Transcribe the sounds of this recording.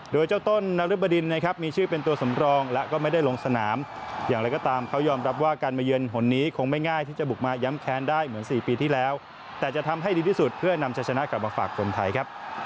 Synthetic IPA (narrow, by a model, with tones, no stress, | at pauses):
doː˧jt͡ɕa˥˩wt̪o˥˩nːa˧ɾɯ˦˥ba˧di˧nːa˦˥kʰa˦˥p̚miː˧t͡ɕʰɯː˥˩pe˧nt̪u˧ɐsa˩˦mɾɔː˧ŋlɛ˦˥kɔː˥˩ma˥˩jda˥˩jlo˧ŋsa˧naː˩˦mjaː˨˩ŋɾa˧jkɔː˥˩t̪aː˧mkʰa˦˥wjɔː˧mɾa˦˥p̬̚waː˥˩kaː˧nmaː˧jɯ˧ənɦo˩˦nːiː˦˥kʰo˧ŋma˥˩jŋaː˥˩jt̪ʰiː˥˩t͡ɕa˨˩bu˨˩k̚maː˧ja˦˥mkʰɛː˦˥ndaː˥˩jmɯ˩˦ənsiː˨˩piː˧t̪ʰiː˥˩lɛː˦˥w | t̪ɛː˨˩t͡ɕa˨˩t̪ʰa˧mɦa˥˩jdiː˧t̪ʰi˥˩su˨˩t̪̚pʰɯ˥˩ɐna˧mt͡ɕʰa˧˥jt͡ɕʰa˧na˦˥kla˨˩p̚maː˧fa̰ː˨˩kʰːo˧nt̪ʰa˧jkʰa˦˥p̚